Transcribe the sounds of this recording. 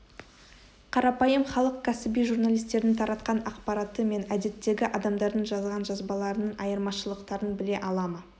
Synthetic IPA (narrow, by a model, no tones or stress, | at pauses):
qʰɑɾɑpɑjəmχɑlˠəq̚kʲʰæsɪbijʒuɾnalijst̪e̞ɾd̪ɪt̪ʰɑɾʔɑt̪qɑnɑqpɑɾɑt̪əme̞næd̪e̞t̪ːe̞ɡʲɪʔɑd̪ɑmd̪ɑɾd̪əɴʒɑzʁɑnʒɑzbɑlˠɑɾənəɴɑ̰jəɾmɑʃəlˠəqt̪ɑɾənbɪle̞ʔɑlˠɑmə